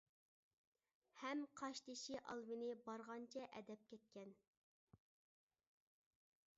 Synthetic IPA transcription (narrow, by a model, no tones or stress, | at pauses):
hɛmqʰɑʃt̪ɪʃiʔɑ̰lˠmɪnɪbɑɾʁɑnt͡ʃʰɛʔɛd̪ɛp̚kʲɛt̪̚kʲɛn